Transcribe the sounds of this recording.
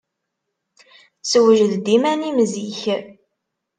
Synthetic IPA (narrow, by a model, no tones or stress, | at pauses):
swəʒəðd̪imænimziç